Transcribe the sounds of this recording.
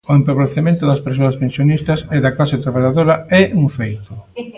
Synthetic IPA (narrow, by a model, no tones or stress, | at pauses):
oempoβleθemẽnt̪ʊðɐspeɾs̬oɐspensjonist̪ɐsɛðɐklaset̪ɾaβaʎaðoɾɐɛuŋfejt̪ʊ